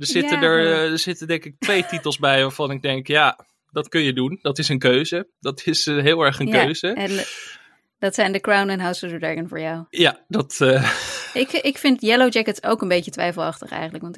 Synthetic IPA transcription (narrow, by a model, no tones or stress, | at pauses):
dəzɪtədəɹəzɪtəndɛŋkɪk̚tʋejtitəlˠzbɛjʋaːvɑnɪɡ̚dɛŋkja | dɑtkɵnjədundɑtɪsənkøɥzədɑtʰɪsɦɪlˠɛɹχənkøɥz̥əɛn | dɑtsɛjndəkɹawnɛnɦawsədədɑɹɡənvʊːɹjawjadɑtəɪkɪkfɪntjɛlowd͡ʒɛkətsowkənbejçətʋɛ̰jfəlˠɑχtəχɛ̰jχənləkʋɑnt